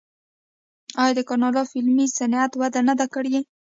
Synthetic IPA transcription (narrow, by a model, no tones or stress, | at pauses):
ɑjɑd̪əkɑnɑlɑfɪlmisanat̪wad̪anad̪akəɽje